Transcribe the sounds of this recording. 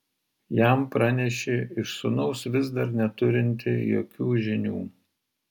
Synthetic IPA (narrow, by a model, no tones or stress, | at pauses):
jæmpɾɑnʲɛʃʲeɪʃsʊnɔʊsʋʲɪzd̪ɐɾnʲɛt̪ʊɾʲɪnʲt̪ʲɪjo̰ːkʲuːʒʲɪnʲuː